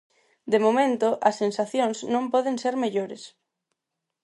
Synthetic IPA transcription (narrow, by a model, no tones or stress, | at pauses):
d̪emomẽnt̪oʔɐsːensaθjõŋznõmpɔðeŋseɾmeʎoɾes